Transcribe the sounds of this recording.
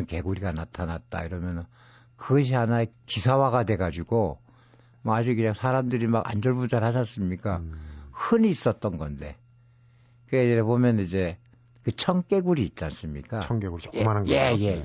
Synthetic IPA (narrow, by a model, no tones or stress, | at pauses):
ɯnke̞ɡuɾiɡanatʰanat̚t͈a̰iɾʌmjʌnʌ | kɯɡʌɕ̬ʰiɦanaekisʰawaɡadwe̞ɡad͡ʑuɡo | mʌad͡ʑukɯɲaŋsʰaɾamdɯɾimaɡa̰nd͡ʑʌɭbud͡ʑaɾhaɕʰʌs͈ɯmɲik͈ahɯniːs͈ʌt̚t͈ʌnɡʌnde̞̰ | kɯɾeeɾepomjʌnid͡ʑe̞ | kɯt͡ɕʰʌŋk͈e̞ɡuɾiːt̚t͡ɕ͈ans͈ɯmɲḭk͈aʌŋkeɡuɾio̥emananɡe̞je̞